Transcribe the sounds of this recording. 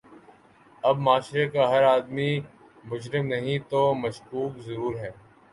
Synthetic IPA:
ɐbmaːʃɾekaɦɐɾaːd̪mi | mʊd͡ʒɾɪmnɐɦĩt̪oːmɐʃkuːkzɐɾuːɾɦɛː

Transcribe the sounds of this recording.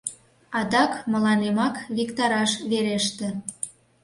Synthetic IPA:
ɑd̪ɑkmə̆lɑnemɑkβikt̪ɑɾɑʃβeɾeʃt̪ĕ

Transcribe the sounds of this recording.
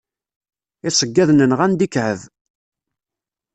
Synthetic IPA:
ɪsˤəɡːæðnənʁænd̪ikʕəv

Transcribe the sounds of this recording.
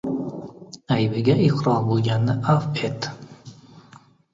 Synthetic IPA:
ajbɪɡʲaɪqɾɒɾbolˠɡʲanːɪʔafet̪

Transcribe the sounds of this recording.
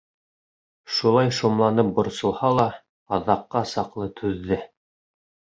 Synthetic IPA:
ʃulˠɑjʃumlˠɑnɤp̚bŏɾsŏlˠhɑlˠɑː | ðɑqːɑsɑqlˠɤt̪ʰʉðːɘ

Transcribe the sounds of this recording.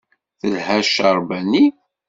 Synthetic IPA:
θəlhæʃəɾˤbænːi

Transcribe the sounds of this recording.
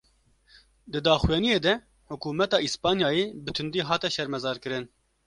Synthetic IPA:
d̪ɨd̪ɑːxwjɛnijeːd̪ɛ | hʊkuːmɛt̪ɑːʔispɑːnjɑːjebɨt̪ʰɨnd̪iːɦɑːt̪ɛʃɛɾmɛzɑːɾkɨɾɨn

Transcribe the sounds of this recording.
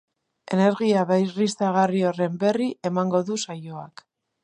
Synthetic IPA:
e̞̰ne̞ɾɣiaβajrist̪aɣ̞ario̞re̞mbe̞riʔe̞maŋɡo̞ðusajo̞ak

